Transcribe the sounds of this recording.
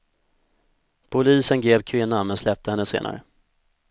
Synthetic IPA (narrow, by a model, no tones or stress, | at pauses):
pʰʊliːsənɡɾeːvkʰvɪnːanmɛnslɛp̚t̪ʰəhɛnːəsḛːna̰ɾə̰